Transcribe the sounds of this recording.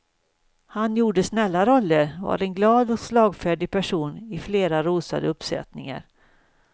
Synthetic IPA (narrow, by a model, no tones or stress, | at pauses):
hanjuːɖəsnɛlːaɾɔlːəɾva̰ɾɛnɡlɑːd̪ɔslɑːɡfæɖɪɡ̚pʰæʂuːnɪfleːɾaɾuːsa̰d̪əɵpsɛ̰t̪nɪ̰ŋa̰ɾ